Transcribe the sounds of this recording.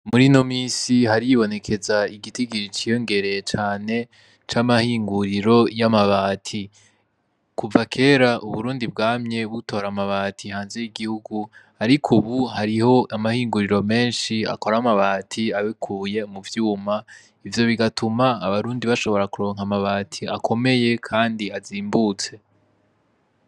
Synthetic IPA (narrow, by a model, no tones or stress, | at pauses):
muɾino̞miːsiɦaɾijiβo̞ne̞kʰe̞zaiɡitiɡiɾit͡ʃijo̞ŋɡe̞ɾe̞t͡ʃaːne̞ | t͡ʃamahiːŋɡuɾiɾo̞jamaβaːtʰi | kuvakʰe̞ːɾaʔuβuɾuːndib̚ɡaːmɲe̞βuto̞ːɾamaβatʰihaːnze̞jiɡihuɡu | aɾikʰuβuhaɾiho̞ʔamahiːŋɡuɾiɾo̞me̞ːnʃia̰ko̞ɾamaβaːtʰiaβikʰuːje̞muvjuːma | ivjo̞βiɡatʰumaːβaɾuːndiβaʃo̞βo̞ɾakuɾo̞ːŋhamaβaːtʰiakʰo̞me̞je̞kʰaːndiaziːmbuːt͡se̞